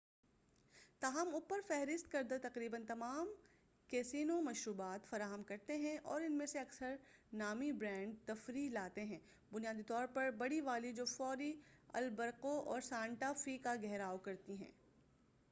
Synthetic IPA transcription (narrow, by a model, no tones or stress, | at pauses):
t̪aːɦəmʊpəɾfɛɦɾɪst̪kɐɾd̪at̪ɐqɾiːbənt̪ɐmaːm | kɛːsiːnõmɐʃɾuːbaːt̪fɐɾaːɦəmkɐɾt̪eɦɛ̃ʔɔːɾɪnmẽseɐksəɾnaːmibɾɛ̃ːɳɖt̪ɐfɾilaːt̪eɦɛ̃ː | bʊnijaːd̪it̪ɔːɾpɐɾbɐɽiʋaːlid͡ʒoːfɔːɾiɐ̰lbɐɾqoʔɔːɾsãːɳʈafikaɡɛɦɾaːokɐɾt̪iɦɛ̰̃ː